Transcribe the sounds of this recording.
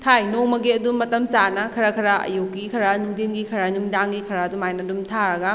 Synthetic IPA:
tʰajnoŋmɐɡiɐdumːɐtɐmsanɐkʰɐɾakʰɐɾaʔɐ̰jukːikʰɐɾanuŋdinɡikʰɐɾanuŋdaŋɡikʰɐɾaːdumajnɐdumtʰaɾɐɡɐ

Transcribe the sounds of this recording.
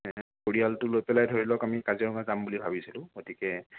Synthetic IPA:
koɹialtʊlojpɛlajdʱoɹilɔkamikazɛɹɔŋazambulibʱabisilʊ̃ɡotikɛ

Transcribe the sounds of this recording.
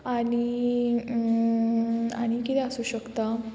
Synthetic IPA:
aɽ̃i | a̰ɽ̃ikit̪ɛəsuːɕəkt̪a

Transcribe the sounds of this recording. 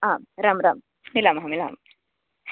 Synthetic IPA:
aːmɾaːmɾa̰ːm | nilaːmɦamila̰ːm

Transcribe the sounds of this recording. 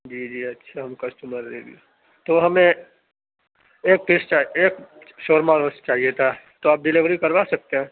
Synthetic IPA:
d͡ʒiːd͡ʒiːɐtːʃʰaɦɐmkɐsʈuːməɾɾḛɡio | t̪oɦɐmẽ | k̚pɪst͡ʃaeːk | ʃoːɾmaɾost͡ʃaːɦijet̪ʰa | t̪oaːp̚ɖɪlɪʋɾikɐɾʋaːsɐk̚t̪eɦɛ̃ː

